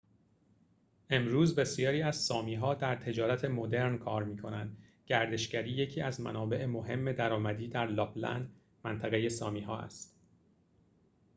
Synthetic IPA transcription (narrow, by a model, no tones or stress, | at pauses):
ʔe̞mɾuːzbe̞sijɒːɾiːæzsɒːmiːɦɒːd̪æɾt̪ʰe̞d͡ʒɒːɾæt̪ʰe̞mo̞d̪e̞ɾnkʰɒːɾmiːkʰo̞nænd̪ɡɟæɾd̪e̞ʃcæɾiːje̞cʰiːæzmæ̰nɒːbe̞ʔemo̞ɦe̞mːe̞d̪æɾɒːmæd̪iːd̪æɾlɒːblæ̰nd̪ | mænt̪ʰæɣe̞je̞sɒːmiːɦɒ̰ːæ̰st̪